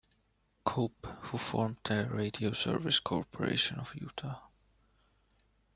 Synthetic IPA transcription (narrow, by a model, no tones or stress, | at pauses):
kʰophufɔɹmð̥əɹeɪdioʊsɜ̰˞vɪskʰɔɹpʰɔɹḛɪʃə̃nɔvjṵːtʰa